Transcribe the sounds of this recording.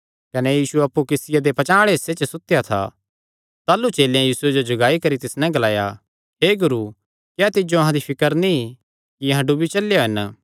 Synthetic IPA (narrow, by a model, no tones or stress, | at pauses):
kɐnejiːsuɐpːukɪsɪjad̪epɐt͡ʃaːɽ̃eset͡ʃsʊt̪jat̪ʰa̰ | t̪aːlut͡ʃeːljãjiːsʊed͡ʒod͡ʒɐɡaːikɐɾit̪ɪsnɛ̃ɡɐlaːja | ɦeːɡʊɾu | kjaːt̪ɪd͡ʒoɐɦãd̪ipʰɪkəɾnĩ | kiɐ̃ɦãɖubit͡ʃɐlejoɦɐn